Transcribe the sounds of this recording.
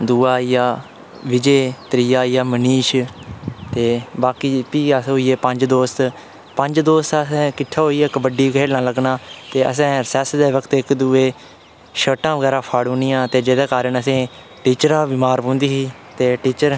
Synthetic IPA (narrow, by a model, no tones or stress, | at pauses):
d̪uːaːijaː | ʋɪd͡ʒeːt̪ɾiːjaːijaːməniːʃ | t̪eːbaːkiːpiːəsɦoːiːeːpəɲd͡ʒd̪oːst̪ | pəɲd͡ʒd̪oːst̪sɛ̃ːkɪʈʰːaːɦoːiɛːkəbəɖiːkeːlnãːləɡnaːt̪eːə̰sɛ̃ːsɛsd̪eːʋəkt̪ɪkd̪uːeː | ʃəːʈãːʋəɡɛːɾaːpʰaːɽõːnijãːt̪eːd͡ʒeːd̪aːkaːɾəɳəsẽː | ʈiːt͡ʃəɾãːbɪmaːɾpõːnd̪iːɦiː | t̪eːʈiːt͡ʃəɾ